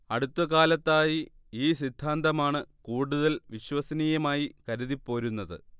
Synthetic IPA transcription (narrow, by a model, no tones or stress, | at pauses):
ɐɽut̪ːɐkaːlɐt̪ːaːji | iːsid̪ʱːaːnd̪ɐmaːɳɨkuːɽuðɐlʋiɕwɐsɐniːjɐmaːjikɐɾuðipːo̞ːɾunːɐðɨ̰